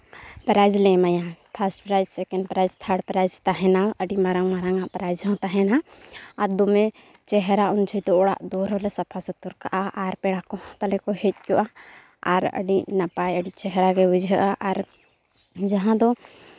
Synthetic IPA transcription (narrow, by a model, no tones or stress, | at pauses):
pɾajd͡ʒlɛmajap̪ʰaɾsʈpɾajd͡ʒsɛkɛnɖpɾajzt̪ʰəɖpɾajd͡ʒt̪aɦɛnaəɖimaɾaŋmaɾaŋaʔpɾajd͡ʒɦɔ̃t̪aɦɛnaːɾd̪ɔmɛ | t͡ʃɛɦɾaund͡ʒʰujd̪ɔɔɽa̰ʔd̪ɔɾɔlɛsapʰasɔt̪uɾkaʔaʔaɾpɛɽakɔt̪alɛkɔhɛt̪̚ˀkɔʔa | aɾə̰ɖinapajəɖit͡ʃɛɦɾaɡɛud͡ʒʱəʔaʔaɾ | d͡ʒaɦãd̪ɔ